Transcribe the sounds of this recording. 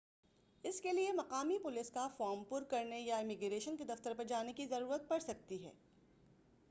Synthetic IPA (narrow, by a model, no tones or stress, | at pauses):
ɪskeliemɐqaːmipʊlɪskafɔːɾmpʊɾkɐɾnejaɪmɪɡɾeːʃənked̪ɐft̪əɾpɐɾd͡ʒaːnekizɐɾuːɾət̪̚pɐɽsɐk̚t̪iɦɛ̰ː